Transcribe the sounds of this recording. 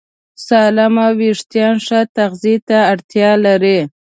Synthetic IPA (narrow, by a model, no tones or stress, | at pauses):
sɑlamawiʂt̪jɑnʂat̪axzit̪aːɽt̪jɑlaɾi